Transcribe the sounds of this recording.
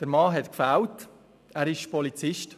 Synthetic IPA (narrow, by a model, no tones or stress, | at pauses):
d̥əɾmɑːɦɛtkfæwt | æːɾɪʃpɔlit͡sɪʃt